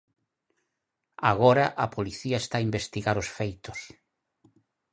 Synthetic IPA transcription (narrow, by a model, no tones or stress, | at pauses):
aɣ̞oɾɐʔapoliθiɐest̪aːimbest̪iɣaɾosfejt̪ʊs